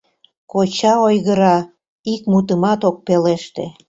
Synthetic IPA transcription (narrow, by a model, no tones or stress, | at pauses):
kot͡ɕɑojɣəɾɑ | ik̚mut̪əmɑt̪ok̚peleʃt̪e